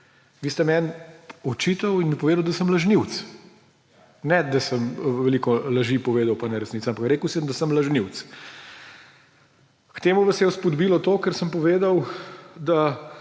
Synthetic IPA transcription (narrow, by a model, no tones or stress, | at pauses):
ʋiːst̪ɛmɛnɔt͡ʃiːt̪ɐwinɛpɔʋeːd̪ɐwd̪ɐsəmlɐʒniwt̪s | nɛd̪asəmʋɛlikɔlɐʒipɔʋeːd̪ɐwpanɛɾɛsnit̪saampakɾeːkəwsiəmd̪asəmlɐʒniwt̪s | kt̪eːmuʋɐsɛjɛspɔd̪biːlɔt̪oːkəɾsəmpɔʋeːd̪ɐwd̪a